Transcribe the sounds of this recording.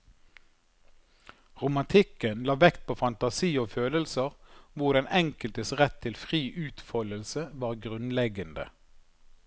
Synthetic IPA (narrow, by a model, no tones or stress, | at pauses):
ʁʊmɑnt̪ʰɪkənlɑːʋɛkt̪̚pʰoːfɑnt̪ɑsiːoːføːləlsəʁʋʊʁd̪ɛnʔɛŋkəlt̪əsʁɛt̪ʰːɪlfʁiːʔʉːt̪fɔləlsəʋɑːʁɡʁʉnlɛɡənd̪ə̰